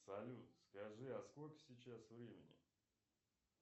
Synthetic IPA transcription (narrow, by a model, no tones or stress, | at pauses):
sɐlʲut̪skɐʐɨɐsko̞lʲkə̥sʲɪt͡ɕasvɾʲemʲɪnʲɪ̰